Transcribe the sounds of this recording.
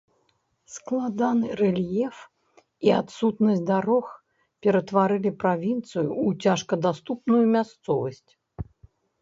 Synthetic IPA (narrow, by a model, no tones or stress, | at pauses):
sklˠad̪anɨrɛlʲjɛf | iat̪sut̪nɐsʲtʲd̪aɾɔx | pʲɛɾɐt̪vaɾɨlʲipɾavʲint̪sɨjuːt͡sʲaʂkɐd̪ast̪upnujumʲast̪sɔvɐsʲt͡sʲ